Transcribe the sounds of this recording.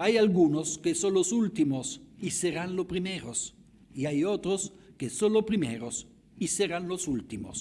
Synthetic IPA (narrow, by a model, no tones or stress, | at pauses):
ajalɡunoskesonlosult̪imosiseɾanlopɾimeɾos | iajot̪ɾos | kesonlopɾimḛɾos | iseɾanlosult̪imo̰s